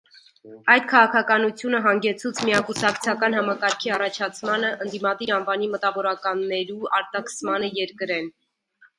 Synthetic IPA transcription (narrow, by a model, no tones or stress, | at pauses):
ɑjd̪̚kʰɑʁɑkʰɑkɑnut͡sʰjunəɦɑŋɡɛt͡sʰut͡sʰmijɑkusɑkt͡sʰjɑkɑnhɑmɑkɑɾkʰiɑrɑt͡ʃʰɑt͡sʰmɑnəʔənd̪imɑd̪iɾɑnvɑnimət̪ɑvɔɾɑkɑnːɛɾuɑɾt̪ɑkʰəsmɑnəjɛɾkəɾɛn